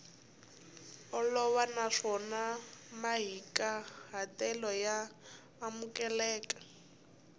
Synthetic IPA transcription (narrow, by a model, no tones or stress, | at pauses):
ɔlɔβanaʂɔnamaɦikʼaɦatɛlɔjaː | mukʼɛlɛːkʼḁ